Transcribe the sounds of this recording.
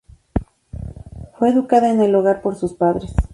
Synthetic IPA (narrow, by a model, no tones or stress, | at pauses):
fweːðukaðaeneloɣaɾpoɾsuspaðɾes